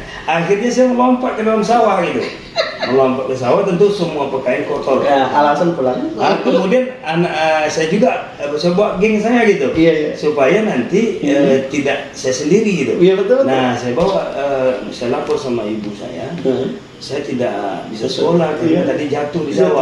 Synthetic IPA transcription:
axirɲasajaŋəlompaʔkədalamsawaɡit̪u | ŋəlompaʔkəs̬awat̪ənt̪̬usəmuapəkaankot̪ɔlalasanpulaakəmmudian | anaʔəsajad͡ʒuɡa | əbəsajabawaʔɡɛŋsajaɡit̪ujasupajanant̪iət̪idaʔsajasəndiɾiɡit̪ubət̪nasajabawaʔəsajalapɔrsamaibusa̰ja̰ | sajat̪ida̰ʔbisasolat̪at̪adid͡ʒat̪ʊhdisawa

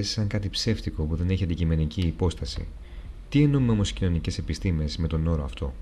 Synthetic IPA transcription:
si̥sɐŋkɐt̪ipse̞ft̪iko̞puðe̞ne̞çiɐnd̪icime̞niciːpo̞st̪ɐsḭ | t̪ie̞numeomo̞scino̞nice̞sepist̪ime̞zme̞t̪o̞no̞ɾoɐft̪o̞̰

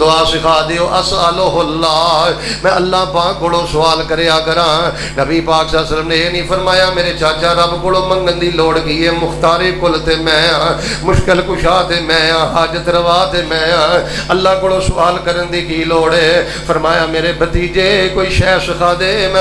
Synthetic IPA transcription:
ʊaːsɪkʰaːd̪ejoːʔəsaloːɦolːaːmɛ̃ːəlːaːbãːkoːlõːsʊaːlkəɾeːãːkəɾãː | nəbiːpaːksəsələmneːeːnĩːpʰəɾmaːjaːmeːɾeːt͡ʃaːt͡ʃãːɾəbkolõːməŋɡənd̪iːloːɽɡiːeːmʊxt̪aːɾeːkʊlt̪eːmɛ̃ːãː | mʊʃkɪlkʊʃaːt̪eːmɛ̃ːãːɦaːd͡ʒət̪ɾəʋaːt̪eːmɛ̃ːjãː | əlːaːkoːlõːsʊaːlkəɾənd̪iːkiːloːɽeː | pʰəɾmaːjaːmeːɾeːbət̪iːd͡ʒeːkoːiːʃɛːsɪkʰaːd̪eːmɛ̃

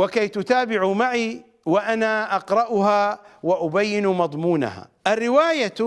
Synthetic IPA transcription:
wɪkajt̪ʊt̪aːbɪʕumaʕi | wɪʔanaʔɑqɾˤɑʔʊhawɪʔʊbajːɪnmɑðˤmuːna̰ha̰ːʔɪrːɪwaːja

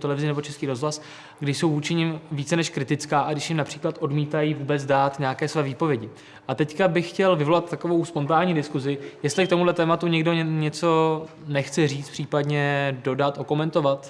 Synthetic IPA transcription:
t̪ɛlɛvɪzɪnɛbo̞t͡ʃɛskiːɾo̞zɦlas | ɡdɪʃso̞wvuːt͡ʃɪɲɪmviːt͡sɛnɛʃkɾɪt̪ɪt͡skaːʔaɡdɪʃjɪmnapr̥iːklat̪ʔo̞dmiːt̪ajivuːbɛt͡sdaːt̪ɲeakɛːsvɛːviːpo̞vjɛɟɪ | ʔat̪ɛckabɪxːcɛlvɪvo̞lat̪ːako̞vo̞wspo̞nt̪aːɲiːdɪskuzɪjɛst̪lɪkt̪o̞mudlɛt̪ɛːmat̪uɲɛɡdo̞ɲɛt͡so̞nɛxt͡sɛriːt͡spr̥iːpadɲɛdo̞dat̪ʔoko̞mɛnt̪o̞vat̪

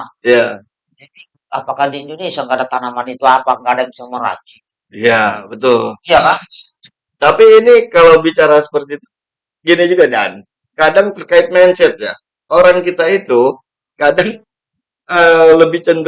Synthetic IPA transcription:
ja | adi | apakahdiːndonisjaŋkadaŋt̪anamanit̪uapaŋɡadaŋt͡ʃaŋməɾa̰t͡ʃi | jabət̪ʊlijaa | t̪apiːnikalawbit͡ʃaɾasə̥pərt̪iːt̪u | ɡinid͡ʒuɡada̰n | kadaŋt̪ərkaɪt̪̚mɛnsɛt̪̚ja̰ | oɾaŋkit̪ait̪u | kadaŋ | ələbɪht͡ʃənt̪

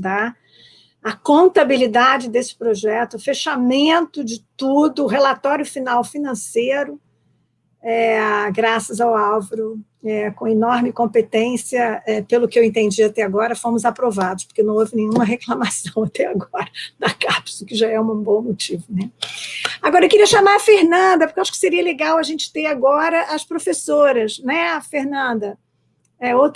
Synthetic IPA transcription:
d̪a | ɐkõnt̪abilid̪ad͡ʒɪd̪esɪ̥pɾoʒɛt̪ʊfeʃamẽnt̪ʊd͡ʒɪt̪ud̪ʊːɦelat̪ɔɾjʊfinawfinɐ̃sejɾʊ | ɛɡɾasɐzawawvɐɾʊ | ɛkõenɔɾmɪkõpet̪ẽsiɐɛpelʊkɪewẽnt̪ẽnd͡ʒiat̪ɛaɡɔɾɐfõmʊzapɾovad̪ʊʃpo̥kenɐ̃w̃ovɪnẽjɲ̃ũmɐɦeklamasɐ̃w̃at̪ɛaɡɔɾɐd̪ɐkapsʊkɪʒaɛũbõw̃mot͡ʃivʊnɛ | aɡɔɾɐewkɪɾiɐʃamaɾɐfeɾnɐ̃d̪ɐpo̥kewaʃʊ̥kɪ̥seɾiɐleɡawɐʒẽnt͡ʃɪ̥t̪eɾaɡɔɾɐʔɐspɾofesoɾɐsnɛfeɾnɐ̃nd̪ɐ | ɛowt̪

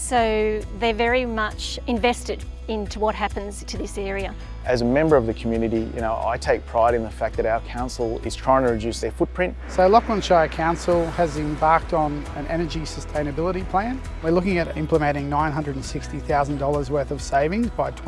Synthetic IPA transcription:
soʊðə˞vɛɹimʌt͡ʃ | ɨ̃ɱvɛstɨɾ | ɪ̃ntʰuwʌt̚ɦæpɨ̃n̩z̥tʰɨðɪsɛɹiɨ | ʔɨzɨmɛ̃mbə˞ʌvðɨkʰmjʉnɨɾijɨ̰ñoʊʔa̰ɪtʰeɪk̚pʰɹ̥aɪɾɨ̃nðəfæk̚ðɨɾaʊə˞kʰãʊ̃nsl̩ˠɪ̰z̥tʰɹ̥aɪɪ̃ŋtʰɨɹɨdʉsðə˞fʊt̚pʰɹ̥ɪ̃nt̚soʊlɔkə̃nʃaɪkʰãʊ̃nsl̩ˠɨzɨ̃mbɑɹk̚tn̩ɨ̃nʔɛ̰nə˞d͡ʒisɨstʰẽɪ̃nɨbɪlˠəɾipʰl̥æ̃n | wə˞lʊkɪ̃ŋɨɾɪ̃mpləmɛ̃ɾ̃ɪ̃ŋnãɪ̃nɦʌ̃ndɹədn̩sɪkstiθaʊzn̩dɔlˠə˞zwɜ˞θʌv̥seɪvɪ̃ŋzbaɪtʰ

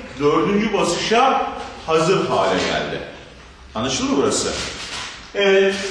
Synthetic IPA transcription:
d̪øɾd̪ynd͡ʒybasɯʃahazɯpʰaːɾɛɟæ̰lʲd̪ɪ̰ | anːaʃɯlˠɯbuɾasɯ̰ | ɛɛ

